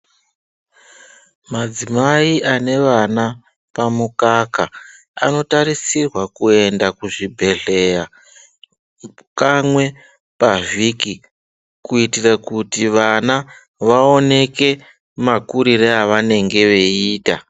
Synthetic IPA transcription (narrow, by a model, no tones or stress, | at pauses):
mad͡zimaiʔane̞ʋana | pamukaka | a̰no̞taɾisirwakue̞ndakuʐibʱe̞ɮe̞ja | kamwe̞ | paʐiki | kuitirakutiʋana | ʋao̞ne̞ke̞ | makuɾiɾeaʋane̞ŋɡe̞ʋe̞iːta